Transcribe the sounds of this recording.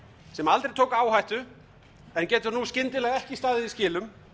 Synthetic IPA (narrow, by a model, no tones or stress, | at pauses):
sɛmalt̪ɾejt̪ʰoːwkaːwhajht̪ʏ | ɛncɛːt̪ʏɾnuscɪnt̪ɪlɛɣɛhcɪst̪aːðɪðiscɪːlʏm